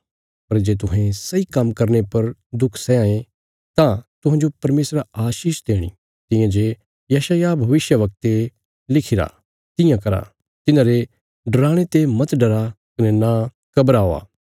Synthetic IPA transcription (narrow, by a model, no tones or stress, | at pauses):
pɐɾd͡ʒeːt̪ʊɦẽsɐikɐmkɐɾnepɐɾd̪ʊkʰsɛãːẽ | t̪ãt̪ʊɦãːd͡ʒopɐɾmeːsɾaaːʃiːʃd̪eːɽ̃ḭ | t̪ɪ̃jãd͡ʒeː | jɐʃaːjabʱɐʋɪʃjəʋɐk̚t̪e | lɪkʰɪɾa̰ | t̪ɪ̃jãkɐɾa̰ | t̪ɪnãːɾe | ɖɐɾaːɽ̃et̪emɐt̪ɖɐɾakɪnɛna | kɐbɾaːoa̰ː